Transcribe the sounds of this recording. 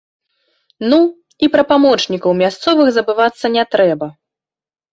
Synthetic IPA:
nu | ipɾɐpamɔt͡ʂnʲikɐwmʲast̪sɔvɨxzɐbɨvat̪sːɐnʲɛt̪ɾɛbɐ

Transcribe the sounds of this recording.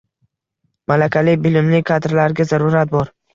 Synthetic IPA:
malakʲʰalɪbɪlɪmlɪkʲʰad̪ɾlaɾɡʲazaɾuɾat̪̚bɒɾ

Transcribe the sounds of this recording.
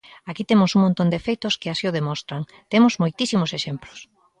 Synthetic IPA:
akit̪emʊsuŋmõnt̪ond̪efejt̪oskɪasioð̞emɔ̃st̪ɾaŋ | t̪emozmojt̪isimoseʃemplo̥s

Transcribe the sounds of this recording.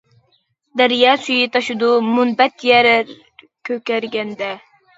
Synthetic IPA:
d̪æɾjɑːsyjit̪ʰɑʃud̪umunbɛt̪jɛɾɾ | kʲʰøkʲæɾɡʲɛnd̪ɛ

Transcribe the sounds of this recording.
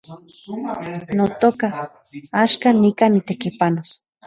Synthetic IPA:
not̪oka | aʃkanikanit̪ekipanos

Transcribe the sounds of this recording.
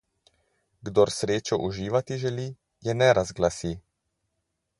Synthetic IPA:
ɡd̪ɔɾsɾeːt͡ʃɔʔuʒiːʋat̪iʒɛli | jɛnɛɾazɡlasi

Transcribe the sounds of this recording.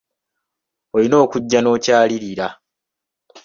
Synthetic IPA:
olino̞ːkuɟːano̞ːcaːliɾiɾa

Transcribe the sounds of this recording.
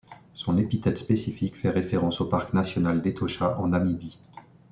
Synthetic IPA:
sɔ̃nepit̪ɛt̪spesifikfɛʁefeʁɑ̃sopaʁknasjɔnald̪et̪ʰɔʃaʔɑ̃namibi

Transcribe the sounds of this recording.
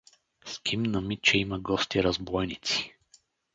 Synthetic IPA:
skʰimnɐmit̪t͡ʃɛiməɡɔst̪iɾɐzbɔjnit̪si̥

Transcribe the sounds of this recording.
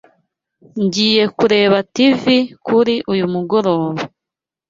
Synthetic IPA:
ɲɟiːje̞kuɾe̞ːβativikuɾiʔujumuɡo̞ɾo̞ːβo

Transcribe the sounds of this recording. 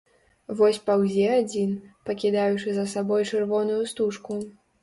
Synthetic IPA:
vɔsʲpawzʲɛad͡zʲinpɐkʲid̪ajut͡ʂɨzɐsabɔjt͡ʂɨrvɔnujust̪uʂku

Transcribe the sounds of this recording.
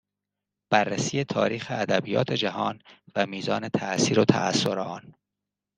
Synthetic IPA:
b̥ærːæsiːjet̪ʰɒ̰ːɾiːxeæd̪æbijɒːt̪ʰe̞d͡ʒæɦɒːnvæmiːzɒːne̞t̪ʰæsiːɾot̪ʰæ̰ʔæ̰sːo̞ɾeɒːn

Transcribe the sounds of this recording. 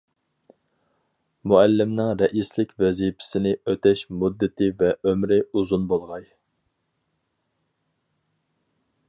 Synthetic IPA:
muælːɪmnɪŋɾɛʔislɪkʲvɛzipʰɪ̥sɪnɪøt̪ɛʃmud̪ːɪt̪ʰɪvɛʔømɾɪuzunbolˠʁɑj

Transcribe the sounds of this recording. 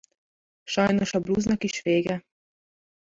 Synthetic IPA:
ʃajnɔʃabluːznakiʃfeːɡɛ

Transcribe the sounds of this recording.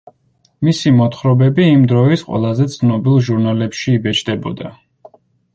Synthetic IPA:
misimɔt̪χɾɔbɛbiːmd̪ɾɔisqʼwɛ̰lˠazɛt̪sʰnɔbilˠʒuɾnalɛpʃiːbɛt͡ʃʰd̪ɛbɔ̰d̪a

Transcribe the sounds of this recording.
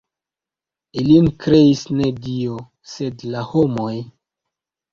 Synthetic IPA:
ilinkɾe̞isne̞dio | se̞dlahomo̞j

